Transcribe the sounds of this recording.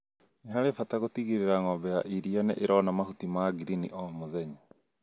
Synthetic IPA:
neɦaɾefataɣotiɣiɾeɾaŋɔbɛjaʔiɾianḛʔeɾɔnamahutimaɡiɾiniʔɔmoðɛɲa

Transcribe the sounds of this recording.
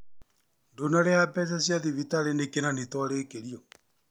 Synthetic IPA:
ndonaɾeapɛs̬asjaðiβitaɾenekenanetwaɾeːkeɾiɔ

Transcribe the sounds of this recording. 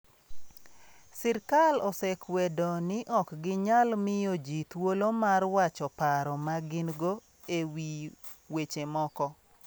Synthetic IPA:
sɪɾkalɔsɛkwɛdonɪʔɔkɡɪɲalmɪjod͡ʒit̪wolomarwat͡ʃɔpaɾɔmaɡɪnɡo | ewi | wet͡ʃemɔkɔ

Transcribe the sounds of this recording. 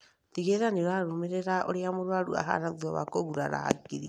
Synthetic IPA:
tiɣeɾaneɾaɾomeɾɛɾaʔoɾeamoɾwaɾua̰ɦa̰naðiɔβa̰koɣuɾaɾa̰ɡiɾi

